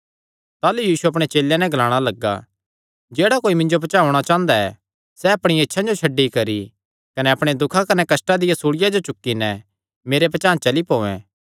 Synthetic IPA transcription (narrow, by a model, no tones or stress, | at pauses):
t̪aːlujiːsuɐp̬ɽ̃et͡ʃeːlːjɛ̃nɛ̃ɡʱlaːɽ̃alɐɡːa̰ | d͡ʒeːɽakoːimɪ̃ɲd͡ʒopɐt͡ʃaːʊɽ̃at͡ʃãːnd̪aɛ̰ | sɛɐpɽ̃ietːʃʰãd͡ʒot͡ʃʰɐɖːikɐɾi | kɐnɛɐpɽ̃ed̪ʊkʰakɐnɛkɐsʈad̪ɪjasuːɽɪjad͡ʒot͡ʃʊkːinɛ | meːɾepɐt͡ʃãːnt͡ʃɐlipoːɛ̰̃ː